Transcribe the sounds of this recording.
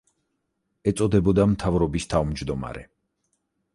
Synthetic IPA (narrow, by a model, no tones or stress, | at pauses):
ɛt̪sʼɔd̪ɛbɔd̪amt̪ʰavɾɔbist̪ʰavmd͡ʒd̪ɔma̰ɾɛ